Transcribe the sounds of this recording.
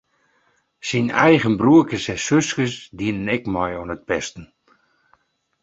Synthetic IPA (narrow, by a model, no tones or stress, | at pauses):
sinɛ̰jɣənbruəkəsɛsøskəsdiənənɛkmɔjɔnət̚pɛstən̩